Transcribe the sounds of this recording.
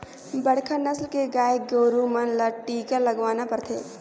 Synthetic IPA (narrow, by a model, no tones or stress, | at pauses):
bɐɽ̤kʰənɐslkeɡaːj̚ɡoːɾumɐnlɐʈːiːkalɐɡʋaːnapɐɾt̪ʰḛː